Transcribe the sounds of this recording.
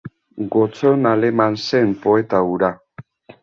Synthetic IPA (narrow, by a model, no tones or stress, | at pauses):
ɡot͡sonalemansempoet̪auɾa